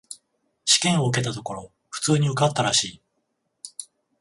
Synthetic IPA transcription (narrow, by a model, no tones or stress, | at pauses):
ɕi̥kẽ̞ɰ̃o̞ɯ̟k̬e̞t̪at̪o̞ko̞ɾo̞ | ɸɯ̟̥t͡sɨːɲ̟iɯ̟kat̪ːaɾaɕiː